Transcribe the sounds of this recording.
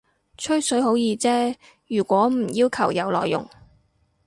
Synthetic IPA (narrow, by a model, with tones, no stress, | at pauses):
t͡ʃʰɵ˥ɥsɵ˨˥jɦo˨˥wjiː˧t͡sɛː˥ | jyː˨˩kʷɔː˨˥m̩˨˩jiː˥wkʰɐ˨˩wjɐ˨˧wlɔː˨˩jːʊ̰˨˩ŋ